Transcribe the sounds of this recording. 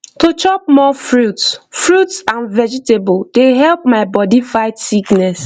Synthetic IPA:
tot͡ʃɔp̚mɔfɹutsfɹutsãnvɛd͡ʒitebold̥eɦɛlp̚maɪbɔdifaɪtsiknɛs

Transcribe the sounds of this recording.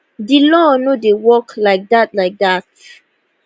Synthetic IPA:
dilɔnodewɔklaɪk̚dat̚laɪk̚dat̚

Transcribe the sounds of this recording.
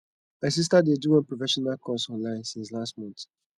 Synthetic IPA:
maɪs̬is̬tadeduwɔ̃npɹɔfɛʃɔnalkʰɔsɔ̃nlãɪ̃nsĩns̬lastmɔ̃nt

